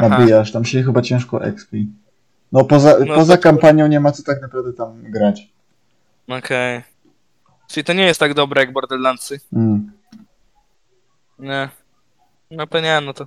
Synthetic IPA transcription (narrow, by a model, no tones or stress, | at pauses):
nabʲijaʂt̪amɕɛxɘbat͡ɕɛ̃w̃ʂkɔʔɛ̰kspʲi | nɔpɔzapɔzakampaɲjɔ̃w̃ɲɛmat̪sɔt̪aknapɾavd̪ɛt̪amɡɾat͡ɕ | ɔkʰɛj | ʈ͡ʂɨit̪ɔɲɛjɛst̪ːaɡd̪ɔbɾɛjaɡ̚bɔɾd̪ɛllant̪sɨ | ɲɛ | nɔpɛɲɛnɔt̪ɔ